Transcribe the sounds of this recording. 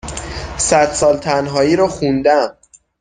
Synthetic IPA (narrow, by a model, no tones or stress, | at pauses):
sæd̪̥sɒːlt̪ʰænɦɒːiːɾɒxund̪æm